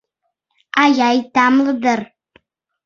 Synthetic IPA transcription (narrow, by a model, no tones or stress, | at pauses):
ajajtamlɨdɨr